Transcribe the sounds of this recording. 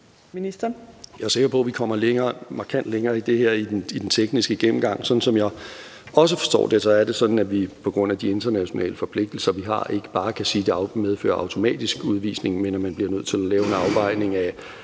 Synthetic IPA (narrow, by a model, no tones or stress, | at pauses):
minisd̥ɐjɑ̈ɪse̝ɡ̥ɐpʰɒ̽ʋikʰɒ̽m̰ɐleŋɐːmɑ̈kʰæn̰d̥leŋɐːid̥e̝heɐ̰idenid̥ent͡sʰeɡ̥nisɡ̥əɡ̥em̰m̩ɡ̥ɑ̈ŋ̰sɒ̽n̥n̩sɒ̽mjɑ̈ɪ | ɒ̽s̬əfɒ̥̽sd̥ɒ̰ːd̥esɒæɐd̥e̝sɒ̽d̥n̩æʋipʰɒ̽ɡ̥ʁɔ̽n̰æd̥ie̝nd̥ɐnæɕo̝nɛ̰ːləfɒ̽pʰle̝ɡ̥̚d̥l̩sɐʋiɦɑ̰̈ʔe̝ɡ̥ə̥b̥ɑ̈ːkʰæsiːd̥e̝með̞ˠfø̰ːɐɑ̈ʊt͡sʰo̝mɛ̰ːd̥isɡ̥uðˠʋḭːsne̝ŋmenɒmænb̥liɐnøð̞̰ˠt͡sʰe̝lælɛːʊe̝nɑ̈ʊbɑ̈ɪ̰ne̝ŋæ